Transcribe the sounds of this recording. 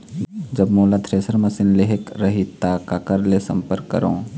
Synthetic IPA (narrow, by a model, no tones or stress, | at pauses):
d͡ʒəbmoːlat̪ʰɾeːsəɾməsɪnleɦekɾəɦit̪akakəɾlesə̰̃mpəɾkːə̰ɾõː